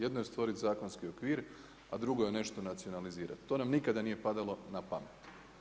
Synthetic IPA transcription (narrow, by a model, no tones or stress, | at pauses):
jed̪nojest̪ʋo̞ɾit̪zaːko̞nskio̞kʋiːɾ | ad̪ɾuɡojene̞ʃt̪o̞nat̪sio̞naliziːɾa̰t̪ːo̞ːnamnikad̪anije̞pad̪alˠo̞napamet̪